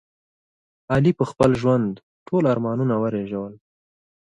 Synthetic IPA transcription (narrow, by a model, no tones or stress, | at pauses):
ɑlipəxpəlʒwand̪ | ʈʰolaɾmɑnunawəɾeʒawəl